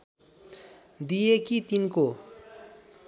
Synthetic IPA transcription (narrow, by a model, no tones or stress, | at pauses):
d̪ijekit̪inko